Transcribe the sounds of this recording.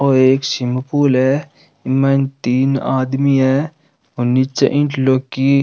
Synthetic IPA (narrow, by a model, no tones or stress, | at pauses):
oːeːksimpuːlɛ | imːɐnt̪iːnaːd̪miɦɛ | ʊnːit͡ʃːɐ̰ʔĩɳʈloːkːi